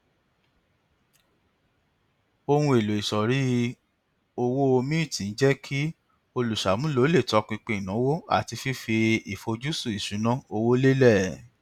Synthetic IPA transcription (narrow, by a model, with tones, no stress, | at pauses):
o˧hũ˧e˨lo˨i˨ʃɔ˨ɾi˨˦ | o˧wo˦o˧mĩ˦˨tĩ˨n̩˦d͡ʒɛ˦kʰi˦ | o˧lu˨ʃa˨mũ˦lo˨˦le˦˨tɔ˧˦kĩ˧k͡pẽ˧i˨nã˨˦wo˦a̰˦˨ti˧fi˦fi˧i˨fo˧d͡ʒu˦su˦˨i˨ʃũ˨˦nã˦o˧wo˦le˦lɛ˦˨